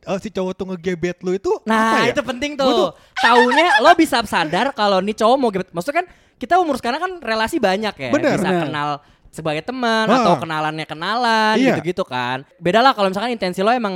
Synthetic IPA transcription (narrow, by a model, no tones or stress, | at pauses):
əsit͡ʃowɔt̪uŋəɡebɛt̪̚luit̪unait̪upənt̪ɪŋt̪u | t̪auɲalɔbisapsadarkalonit͡ʃowɔmoɡebɛt̪̚masut̪kan | kit̪aməmuɾʊskaɾnakanrelasibaɲakja̰bənəbisakkənal | səbaɡajt̪əmənat̪awkənalanɲakənalaniuɡit̪ukanbedalahkalomisalkanint̪ɛnsilɔemaŋ